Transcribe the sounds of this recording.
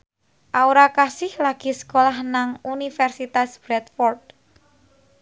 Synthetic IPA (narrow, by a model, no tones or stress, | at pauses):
ʔaoɾakasɪhlaɡ̥i̤sə̥kolahnaŋunifɛrsit̪asb̥ɾɛt̪fɔrd̚